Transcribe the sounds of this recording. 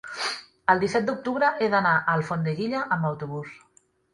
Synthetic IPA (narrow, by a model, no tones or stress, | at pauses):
əlˠd̪isɛt̪̚d̪uk̚t̪uβɾəʔeðanaʔəlˠfond̪əɣiʎəʔəmbəwt̪uβus